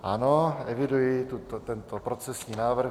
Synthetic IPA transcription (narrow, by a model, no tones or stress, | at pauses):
ʔanoɛvɪdujɪt̪ut̪ot̪ɛnt̪opɾot͡sɛsɲiːnaːvr̩